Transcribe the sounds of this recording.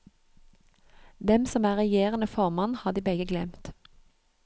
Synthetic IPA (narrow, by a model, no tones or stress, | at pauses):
d̪ɛmsɔmæːʁɛjeːʁənəfɔʁmɑnhɑːd̪iːbɛɡəɡlɛmt̪